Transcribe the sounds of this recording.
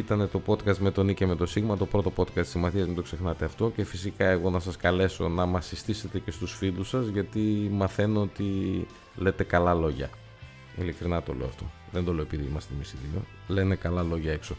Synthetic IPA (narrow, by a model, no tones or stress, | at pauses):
it̪ɐne̞t̪o̞po̞t̪kɐst̪me̞t̪o̞niceme̞t̪o̞siɣmɐt̪o̞pɾo̞t̪o̞po̞t̪kɐst̪isimɐθiɐzðend̪o̞kse̞xnɐt̪eɐft̪o̞ce̞fisikɐe̞ɣo̞nɐsɐskɐle̞so̞̰nɐmɐsist̪ise̞t̪e̞ce̞st̪usfilusɐzʝɐt̪imɐθe̞noot̪i | le̞t̪e̞kɐlɐlo̞ʝɐ̰ | ḭlikɾinɐt̪o̞̰le̞̰ɐft̪o̞̰ | ðend̪o̞le̞oepiðimɐst̪imisiðio̰ | le̞ne̞kɐlɐlo̞ʝɐe̞kso̞